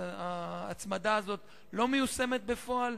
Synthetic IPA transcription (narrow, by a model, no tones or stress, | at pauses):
aːt͡smadaːzo̞t̪ | lo̞mejuse̞me̞t̪̚be̞fo̞al